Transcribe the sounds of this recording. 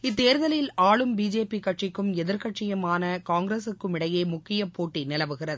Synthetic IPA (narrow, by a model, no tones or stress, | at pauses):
ɪt̪ːeːɾðɐlɐjɪlaːɭɯmbiːd͡ʒeːpikɐʈt͡ʃɪkːɯmɛðɪɾkɐʈt͡ʃɪjɐmaːnɐkaːŋɡɾeːsɯkːɯmɪɽɐjeːmʊkːɪjɐpːoːʈːinɪlɐʋɯɣɪrɐðɯ